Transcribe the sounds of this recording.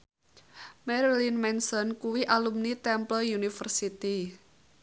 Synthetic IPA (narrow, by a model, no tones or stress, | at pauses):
mɛɾilinmɛnsɔnkuwiʔalumnit̪ɛmplɔjunifərsit̪i